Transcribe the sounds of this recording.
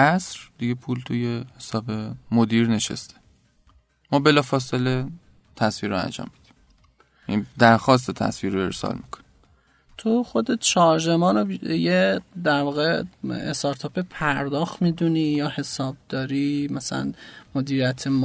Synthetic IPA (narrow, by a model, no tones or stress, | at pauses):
æsɾd̪̥iɡe̞pʰuːlt̪ʰujehesɒːbe̞mod̪iːɾne̞ʃḛst̪ʰe̥ | mɒːbe̞lɒːfɒːsele | t̪ʰæsviːɾoæ̰nd͡ʒɒ̰ːmːid̪̥i̥m | id̪æɾxɒːs̬t̪ʰet̪ʰæ̰sviːɾoe̞ɾsɒ̰lmikʰo̥ni̥ | t̪ʰoxod̪et̪̚t͡ʃʰɒɾʒemɒːnojed̪æɾvɒːɣeest̪ɒɾt̪ʰɒːpepʰæɾd̪ɒːxmiːd̪uniːjɒːhe̞sɒːb̚d̪̥ɒːɾiːmæsælæ̰nmod̪iːɾijæt̪ʰem